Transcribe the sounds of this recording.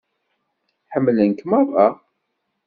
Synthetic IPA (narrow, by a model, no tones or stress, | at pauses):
ħəmːlənkmɑðˤɑ̰